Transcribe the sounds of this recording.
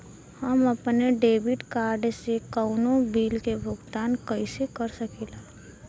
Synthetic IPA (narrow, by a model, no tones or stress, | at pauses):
həməpneɖeːbɪʈkaːɾɖsekəʊnõbiːlkebʱʊɡt̪aːnkəɪsekəɾsəkiːlaː